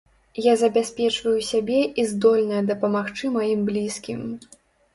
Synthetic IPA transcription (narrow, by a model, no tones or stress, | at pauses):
jazɐbʲasʲpʲɛt͡ʂvɐjusʲabʲɛʔizd̪ɔlʲnɐjɐd̪ɐpɐmaxt͡ʂɨmajimblʲiskʲim